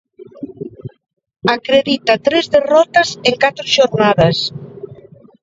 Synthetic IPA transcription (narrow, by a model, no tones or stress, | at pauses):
akɾeðit̪at̪ɾɛzðerɔt̪əzeŋkat̪ɾeʒoɾnaðes